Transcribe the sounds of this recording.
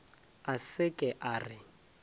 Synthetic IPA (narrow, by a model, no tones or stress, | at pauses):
asɪkʼɛʔaːrɪ